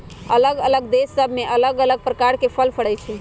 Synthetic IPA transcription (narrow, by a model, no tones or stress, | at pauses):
ələɡələɡd̪esːəbʱmeʔələɡələɡ̚pɾəkaɾkepʰəlpʰəɽɛjt͡ʃʰɛ